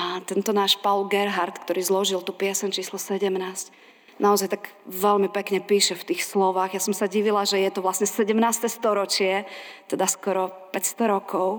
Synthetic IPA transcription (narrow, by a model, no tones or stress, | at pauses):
at̪ɛnt̪ɔnaːʃpalɡɛɾɦaɾt̪kt̪ɔɾiːzlɔʒilt̪upɪɛsɛɲt͡ʃiːslɔsɛɟɛmnaːsc | naɔzajt̪aɡʋɛʎmipɛkɲɛpiːʃɛft̪iːxslɔʋaːɣjasɔmsaɟiʋilaʒɛjɛt̪ɔʋlasɲɛsɛɟɛmnaːst̪ɛst̪ɔɾɔt͡ʃɪɛt̪ɛd̪askɔɾɔpɛcst̪ɔɾɔkʰɔʊ